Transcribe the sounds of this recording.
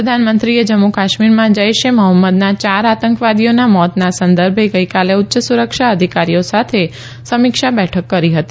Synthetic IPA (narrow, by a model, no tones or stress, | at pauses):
ɾəd̪ʱanmənt̪ɾied͡ʒəmːokaʃmiɾmãd͡ʒəjʃeməɦəmːəd̪nat͡ʃaɾat̪əŋkʋad̪ijonamɔt̪nasənd̪əɾbʱeɡəjkaleʊtːʃəsuɾəkʃaəd̪ʱikaɾijosat̪ʰe | səmɪkʃabɛʈʰəkːəɾiɦət̪i